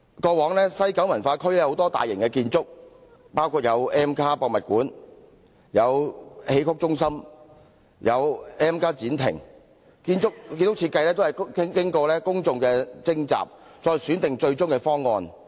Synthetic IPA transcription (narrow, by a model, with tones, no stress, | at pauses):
kɔː˧wɔː˨˥ŋlɛː˥sɐ˥jkɐ˨˥wmɐ˨˩nfaː˧kʰɵ˥lɛː˥ho˨˥wt̪ɔː˥t̪a̰ː˨jɪ̰˨˩ŋkɛ˧kiː˧nt͡sʊ˥k̚ | paː˥wkʰuː˧t̚jɐ˨˧wɛː˥mkʰaː˥pɔː˧k̚mɐ˨t̚kuː˨˥n | jɐ˨˧whe˨˧˥jkʰʊ˥k̚t͡ʃʊ˥ŋsɐ˥m | jʔɐ˨˧wɛː˥mkaː˥t͡siː˨˥nt̪ʰɪ̰˨˩ŋ | kiː˧nt͡sʊ˥k̚kiː˧tt͡ʃʊ˥k̚t͡sʰi˧t̚kːɐ˧jlɛː˥t̪o˥hɐ˨˩jkɪ˥ŋkɔː˧lɛː˥kʊ˥ŋt͡sʊ˧ŋkɛː˧t͡sɪ˥ŋt͡sa̰ː˨p̚t͡ʃɔː˧jsyː˨˥nt̪ɪ˨ŋt͡ʃɵ˧ɥt͡ʃʊ˥ŋkɛ˧fɔː˥ŋːɔː˧n